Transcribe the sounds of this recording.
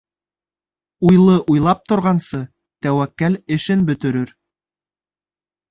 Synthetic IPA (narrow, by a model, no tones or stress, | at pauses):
ujlˠɤʔujlˠɑp̚t̪ŏɾʁɑnsɤ | t̪æwækːælɘ̆ʃɘnbɵ̆t̪ɘ̆ɾɘɾ